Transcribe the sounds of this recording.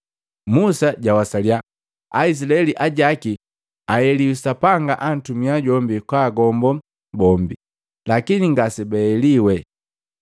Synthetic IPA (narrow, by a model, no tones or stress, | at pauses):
musaɟawasalja | ais̬ilaɛliʔaɟaki | ajɛliusapaŋɡaʔan̩tumiaɟɔmbikwaːɡɔmbɔ | bɔmbi | lakiniŋɡasɛbɛɛliwɛ